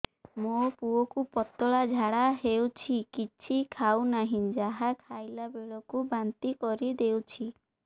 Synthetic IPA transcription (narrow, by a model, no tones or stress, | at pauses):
mopuɔkupɔt̪ɔɭad͡ʒʱaɽaɦewt͡ʃʰikit͡ʃʰikʰawnaɦĩd͡ʒaɦakʰajlabeɭɔkubant̪ikɔɾid̪ewt͡ʃʰi